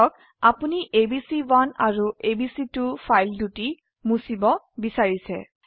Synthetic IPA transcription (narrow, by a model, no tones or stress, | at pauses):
ɔk̚ | apuniʔebisiwana̰ɹuebisitupʰajlduti | musibɔ | bisaɹisɛ̰